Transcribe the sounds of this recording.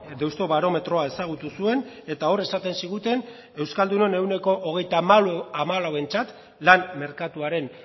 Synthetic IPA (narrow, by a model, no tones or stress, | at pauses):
d̪e̞wst̪o̞βaɾo̞me̞t̪ɾo̞ae̞saɣ̞ut̪usue̞ne̞t̪ao̞re̞sat̪e̞nsiɣ̞ut̪e̞n | e̞wskald̪uno̞ne̞wne̞ko̞ʔoɣ̞e̞jt̪amaamalawe̞nt͡sat̪ | lanme̞ɾkat̪uaɾe̞n